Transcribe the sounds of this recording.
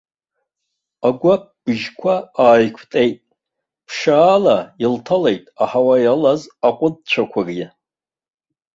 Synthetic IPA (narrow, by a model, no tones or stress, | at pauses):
aɡʷap̚b̥ɨʒkʷʰaaːjkʷʰtʼejtʼ | pʰʂaːlailtʰale̞jtʼaħawajalazaqʷʼʊd̚t͡ɕʷʰakʷʰarja